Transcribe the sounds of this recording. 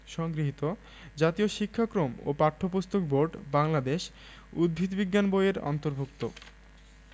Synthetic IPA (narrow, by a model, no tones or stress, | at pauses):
ʃɔŋɡɾiɦit̪o | d͡ʑat̪ioʃikʰːakɾomo̰paʈʰːopust̪okboɾɖbaŋlad̪eʃ | ud̪̚bʱid̪biɡːanbojeɾɔ̰nt̪oɾbʱuk̚t̪o